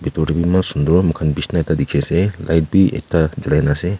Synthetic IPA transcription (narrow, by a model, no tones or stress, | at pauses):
bitɔɾibimasund̪ɔmɯkʰanbisnaetadikʰesela̰jt̚biḛtad͡ʒilajnase